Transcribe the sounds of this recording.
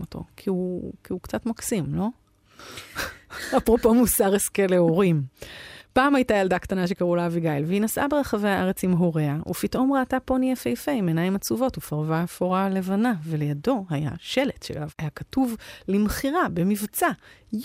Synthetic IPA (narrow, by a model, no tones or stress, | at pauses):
otʰo̞̰kʰiukiukt͡satmaksimlo̞ | apʁo̞po̞musaʁeskeleoʁim | paːmajtajaldakt̪anaʃe̞kaʁulaviɡajlveinasʔa̰be̞ʁaχavehaʔaʁet͡simɦoʁeaʔṵfitʔo̞mʁaːtapo̞niefejfejmenajimat͡suvo̞tufaʁvaafoʁale̞vanavele̞jado̞ɦaja̰ʃe̞letʃelavajakatuvlimχiʁabe̞mivt͡sa